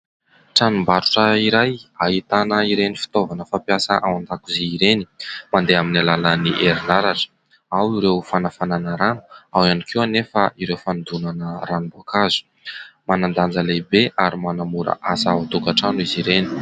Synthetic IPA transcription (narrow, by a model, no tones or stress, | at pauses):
ʈ͡ʂanumbaɾu̥ʈ͡ʂəiɾajaɦit̪anəiɾenifi̥t̪ovanəfapiasəʔawand̪akuzeiɾeni̥mand̪eaminalaləniʔeɾinaɾaʈ͡ʂə̥ | awiɾewfanafananəɾanu̥awanikʰiwanefaiɾewfand̪unanəɾanubuakazu̥ | manand̪and͡zəlebeʔaɾimanamuɾə̰ʔasaut̪ukaʈ͡ʂanuiziɾeni̥